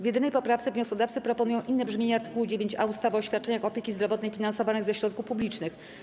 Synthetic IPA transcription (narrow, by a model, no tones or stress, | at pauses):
vjɛd̪ɘnɛjpɔpɾaft̪sɛvɲɔskɔd̪aft̪sɘpɾɔpɔnujɔw̃ʔinːɛbʐmʲjeɲɛaɾt̪ɘ̥kuwud͡ʑevʲjeɲt͡ɕa̰ust̪avɔɔɕʲat̪̚t͡ʂɛɲaxɔpʲjekʲizd̪ɾɔvɔt̪nɛjfʲinansɔvanɘɣzɛɕɾɔt̪̚kufpublʲit͡ʂnɘx